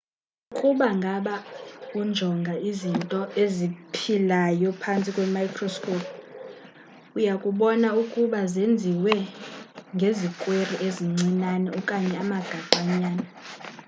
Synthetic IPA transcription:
ukʼuɓaŋɡʱaɓakund͡ʒʱɔŋɡʱaizintʼɔezipʰilajɔpʰant͡sʼikʼwɛmajkʰrɔskʰʼɔp̚ʰ | ujakʼuɓɔnaukʼuɓazend͡zʱiwɛ | ŋɡʱezikʼweriʔeziŋ͡ǀinanɛukʼaɲɛamaɡ̥ʱaǃaɲaːna

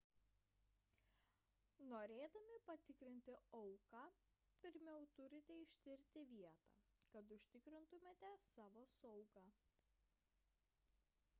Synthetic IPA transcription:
noːɾʲeːd̪ɐmʲɪpɐt̪ʲɪkɾʲɪnʲt̪ʲɪɔʊkɑː | pʲɪɾʲmʲɛʊt̪ʊɾʲɪt̪ʲɛɪʃʲt̪ʲɪɾʲt̪ʲɪʋʲiɛt̪ɑ̰ːkɐt̪ʊʃʲt̪ʲɪkɾʲɪnt̪ʊmʲeːt̪ʲɛsɑːʋoːsɐʊɡɑː

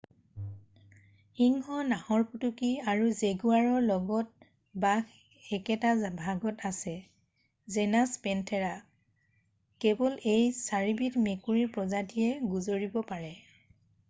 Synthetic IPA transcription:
hiŋhɔnahɔɹputukiaɹuzeɡuaɹɔɹlɔɡɔt̚ | bak | ɛkɛtazbʱaɡɔtʰasɛ | zɛnaspɛntʰɛɹa | kebɔlejsaɹibitmekuɹiɹpɹɔzadijɛɡuzoɹibɔpaɹɛ

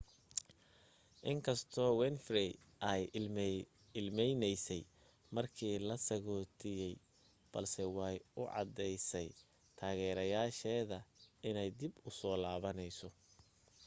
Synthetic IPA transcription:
ʔɪŋkʰɐst̪ʰɔːwɛnfri | ʔɐj | ɪlmɛjnɛjsɛj | mɐrkʰiːlɐsɐɣɔːt̪ʰɪjɛj | b̥ɐ̰lsɛwɑjʊʕɑ̰d̪ɛjsɛj | t̪ʰaːɣɛːɾɐjaːʃɛːðɐɪnɛjd̪ɪbʊsɔːlaːβɐnɛjsɔ

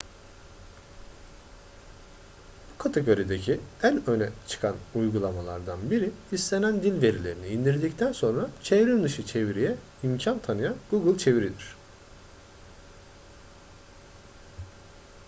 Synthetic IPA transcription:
b̥ukʰat̪ʰeɡo̞ɾid̪e̞cʰiænø̞nɛt͡ʃʰɯ̥kʰanujɡulˠamalˠa̰ɾd̪anbiɾiist̪ʲenænd̪ilʲve̞ɾilʲe̞ɾiniːnd̪iɾd̪ict̪ʰænso̞nɾat͡ʃʰevɾiɾd̪ɯʃɯt͡ʃʰe̞viɾijɛ | imcʰant̪ʰanɯjanɡ̥uɡɯlˠt͡ʃʰe̞viɾid̪iɾ̝̥

